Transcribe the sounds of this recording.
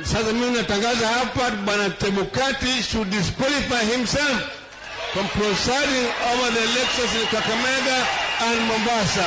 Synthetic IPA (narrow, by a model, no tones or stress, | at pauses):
sasaminatãŋɡazahapatɓanatɛmɔkatiʃudiskwalifajhimsɛlf | fɔ̃mpɹɔsaɾĩŋɔvaðiɛlɛkʃɔ̃ns̬ĩnkakamɛðãːndmɔmbasa